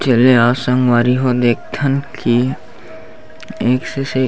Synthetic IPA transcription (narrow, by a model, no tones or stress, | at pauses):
t͡ʃeleaːsə̃ŋɡʋaːɾiɦod̪eːk̚ʰt̪ʰənkʰi | eːksese